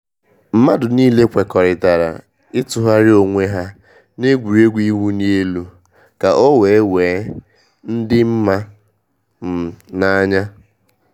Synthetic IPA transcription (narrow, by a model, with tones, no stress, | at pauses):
m̩˦ma˦dʊ˨niː˦le˦kʷe˨kɔ˨ɾɪ˨ta˨ɾa̰˨ | ɪ˦tʊ˨ɦa˦ɾɪ˦o˨ŋʷe˦ɦa˦ | ne˦ɡʷu˨ɾe˦ɡʷi˦ɦu˦ni˦e˦lu˦ | ka˨ʔo˦we˨e˦weː˨˦ | n̩˦dɪ˦m̩˦ma˦ | m̩˨na˦ɲa˦